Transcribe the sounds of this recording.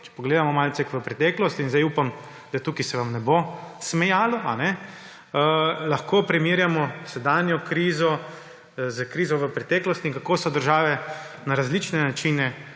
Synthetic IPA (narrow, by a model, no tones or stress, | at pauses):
t͡ʃɛ̥pɔɡleːd̪amɔmaːlt̪sɛkʋəpɾɛt̪ɛːklɔst̪inzd̪ajupam | d̪̥at̪uːkisɛʋamnɛbosmɛjaːlɔanɛ | əlaxkopɾɛmiɾjamɔsɛd̪anjɔkɾiːzɔ | zəkɾiːzɔʋəpɾɛt̪ɛːklɔst̪iŋkakosɔd̪əɾʒaːʋɛ | naɾazlit͡ʃnɛnat͡ʃinɛ